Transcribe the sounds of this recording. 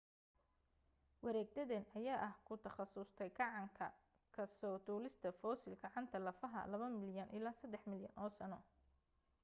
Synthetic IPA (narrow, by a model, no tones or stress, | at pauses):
wɐɾɛːɡ̚d̪ɐðɛnɐjaːʔɐhkʰʊt̪ʰɐχɑsʊst̪ʰɛjɡɑʕɑŋkʰɐ̰ | kʰɐsɔːd̪uːlɪst̪ʰɐfɔːsɪlɡɑʕɑnt̪ʰɐlɐfɐɦɐ̰lɐβɐmɪljɐnʔɪlaːsɐd̪ɛħmɪljɐnʔɔːsɐnɔ